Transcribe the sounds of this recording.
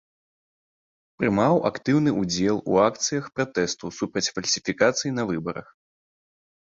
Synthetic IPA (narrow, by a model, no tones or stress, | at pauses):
pɾɨmawakt̪ɨwnɨʔud͡zʲɛlˠṵak̚t̪sɨjɐxpɾat̪ɛst̪usupɾɐt͡sʲfɐlʲsʲifʲikat̪sɨjin̪ɐvɨbɐɾɐ̰x